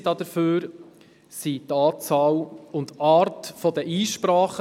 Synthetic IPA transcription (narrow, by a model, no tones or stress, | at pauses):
dɑd̥̪əɾføːɾ | sitɑːt͡sɑːwʊnt̪ɑːɾtfɔd̪əʔiːʃpɾɑːχ